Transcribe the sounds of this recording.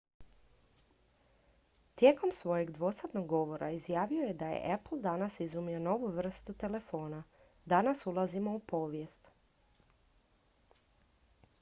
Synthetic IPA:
t̪je̞ːko̞msʋo̞jeɡd̪ʋo̞sat̪no̞ɡːo̞ʋo̞ɾʔa̰izjaːʋio̞jed̪ajḛʔepl̩ˠd̪anasizumio̞no̞ʋuʋr̩st̪ut̪e̞le̞fo̞ːna | d̪anasulˠazimo̞upo̞ːʋjest̪

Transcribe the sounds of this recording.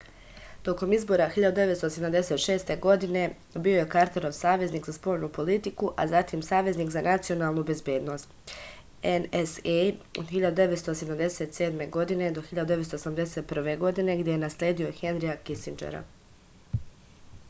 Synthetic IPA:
t̪o̞ko̞mizbo̞ɾaxiʎad̪ud̪e̞ʋe̞t̪st̪ose̞d̪amd̪e̞se̞t̪ʃe̞ːst̪e̞ɡo̞d̪ine | bio̞je̞kaɾt̪eɾoʋsaːʋe̞zniːkzaspo̞ːʎnupo̞lit̪ikuʔa̰zat̪imsaːʋe̞zniːkzanat̪sio̞naːlˠnube̞zbje̞ːd̪no̞ːst̪ | eneseod̪xiʎad̪ud̪eʋe̞t̪st̪oseamd̪e̞se̞t̪se̞ːd̪me̞ɡo̞d̪ine̞d̪o̞xiʎad̪ud̪e̞et̪st̪osamd̪e̞seːt̪̚pr̩ʋe̞ɡo̞d̪ine̞ɡd̪jejenaslʲeːd̪io̞xenɾiakisind͡ʒḛɾa̰

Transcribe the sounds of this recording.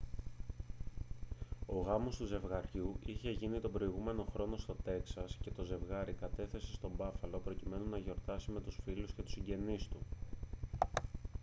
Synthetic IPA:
o̞ɣɐmo̞st̪uze̞vɣɐɾʝuiçe̞ʝinit̪o̞bɾo̞iɣume̞no̞xɾo̞no̞st̪o̞t̪e̞ksɐsce̞t̪o̞ze̞vɣɐɾikɐt̪e̞θe̞se̞st̪o̞bɐfɐlo̞pɾo̞cime̞nunɐʝo̞ɾt̪ɐsime̞t̪usfilusce̞t̪u̥siɲɟe̞nist̪u

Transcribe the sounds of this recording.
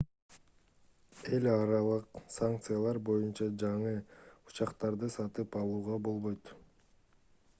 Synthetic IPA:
e̞lʲɑɾɑlˠɯqsaŋk̚t̪sɨjalˠɑɾbo̞junt͡ʃɑd͡ʒɑɴɯut͡ʃɑqt̪ɑɾd̪ɯsɑt̪ɯpɑlˠuːʁɑbo̞lˠβo̞jt̪

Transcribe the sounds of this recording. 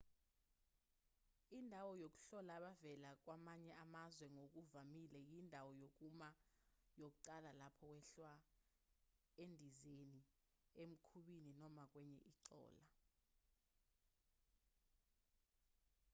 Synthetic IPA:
indʱawɔjok̬ʼu̥ɬɔlaːɓavɛlak̬wamaɲɛamazwɛŋok̬ʼuvamilɛjindʱawɔjok̬umajok̬uǃalalapʰɔkwɛɬwa | endʱizeni | em̩kʰuɓininɔmak̬wɛɲɛ̰ʔiǀɔ̰ːla

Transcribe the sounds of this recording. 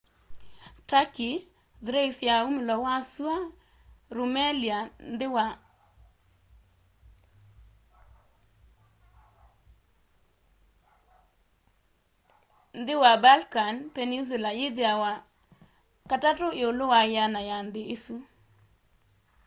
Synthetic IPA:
taki | ðɾeisjaumɪlɔwasua | ɾumeliandwa | nd̪ɪwabalkanpenis̬welajɪdeawa | katatoɪolowajanajand̪ɪɪsu

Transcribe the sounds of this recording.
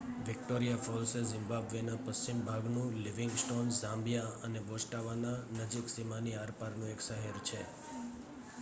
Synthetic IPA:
ʋɪk̚ʈoɾijafɔɾsezɪ̃mbabʋenapəst͡ʃimbʱaɡnũliʋɪŋɡsʈonsãmbjaənebosʈaʋananəd͡ʒiksimaniaɾpaɾnũeksəɦɛɾt͡ʃʰe

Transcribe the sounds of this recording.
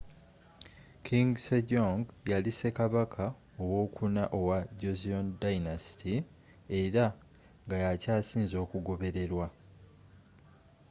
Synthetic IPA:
kʰiŋɡsedoŋɡjalise̞kaβakʰa | owo̞ːkunaʔo̞waɟoziondajnasi̥ti | e̞ɾa | ŋɡajacaːsiːnzo̞ːkuɡo̞βe̞ɾe̞ɾwa

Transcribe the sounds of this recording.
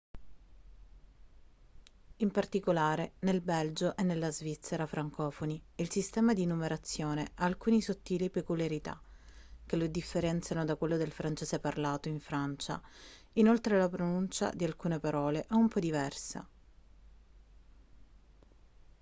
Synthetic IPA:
impart̪ikolaːɾenelbɛld͡ʒoʔenːelːazvit̪sːeɾafɾaŋkɔːfoniilsist̪ɛːmad̪inːumeɾat̪sːjoːneaːlkuːnisot̪ːiːlipekuljaɾit̪a̰k̟elod̪ifːeɾɛnt̪sjanod̪akwelːod̪elfɾant͡ʃeseparlaːt̪oiɱfɾant͡ʃa̰ | inolt̪ɾelapɾonunt͡ʃa̰d̪ialkuːnepaɾɔːleʔɛumpɔd̪ivɛrsa̰

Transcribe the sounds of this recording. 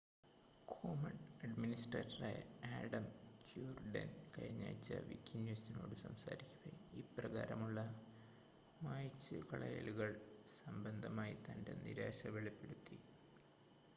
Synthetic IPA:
kʰoːmɐɳɐɖminisʈrɐːtːɐraːjɐaːɖɐmkʰjuːrɖɐ̰nkɐɻiɲːa̰ːjt͡ɕːɐ̰ʋikʲːinjuːsino̞ːɽɨsɐmsa̰ːɾikʲːuɣɐiːprɐɣaːɾɐmuɭːɐ | maːjt͡ɕːɨkɐɭɐjɐ̰luɣɐɭsɐmbɐnd̪ʱɐmaːjit̪ɐndenḭɾaːɕɐʋeɭipːe̞ɽut̪ːi

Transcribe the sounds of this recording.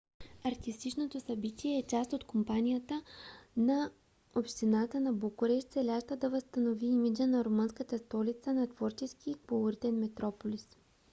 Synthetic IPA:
ɐɾt̪ist̪it͡ʃnot̪osɐbit̪ʲiɛːt͡ʃast̪ot̪kompanijət̪ənɐ | opʃt̪inat̪ənɐbokʊɾɛʃt̪sɛlʲaʃt̪əd̪ɐvəst̪ɐnoviimid͡ʒənɐɾomɤnskət̪əst̪ɔlit̪sənɐt̪vɔɾt͡ʃɛskikolˠoɾit̪ɛnmɛt̪ɾɔpolʲis

